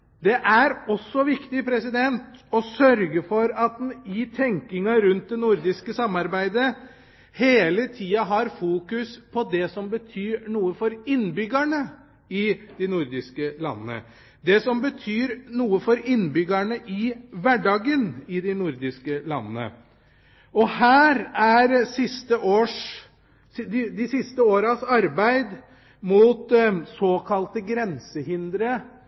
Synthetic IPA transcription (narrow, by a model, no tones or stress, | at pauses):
d̪ɛʔæɾɔsːɔʋɪkt̪ɪpʰɾɛsɪd̪ɛnt̪ɔsœɾɡəfɔɾɑt̪̚d̪nɪt̪ʰɛŋkɪŋɑɾʉnt̪̚d̪ɛnʊɾd̪ɪskəsɑmːɑɾbæɪd̪ə | heːlət̪ʰiːɑɦɑɾfuːkʉspʰɔd̪ɛsɔmbət̪ʰyːɾɳuːəfɔɾɪnːbʏɡæɳə | ɪd̪̥ɪnʊɾd̪ɪskəlɑ̰nːənə̰ | d̪ɛsɔmbət̪ʰyːɾnuːəfɔɾɪnbʏɡæɳəʔɪʋæɖɑːɡənɪd̪ɪnʊɾd̪ɪskəlɑ̰nːənə̰ | ɔhæːɾæɾsɪst̪əʔoːʂ | d̪ɪd̪ɪsɪst̪əoːɾɑsɑɾbæɪd̪ | mʊt̪soːkʰɑlt̪əɡɾɛnsəhɪnd̪ɾə